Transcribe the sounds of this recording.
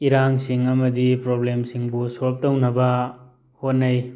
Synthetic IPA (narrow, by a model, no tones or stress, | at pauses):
iɾaŋsiŋɐmɐdipɾoblemsiŋbusolp̚tɐwnɐbɐ | hot̚nɐj